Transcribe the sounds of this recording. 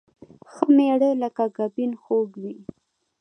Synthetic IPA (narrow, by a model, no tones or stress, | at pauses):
xəmeɽələkaɡabinxoɡwi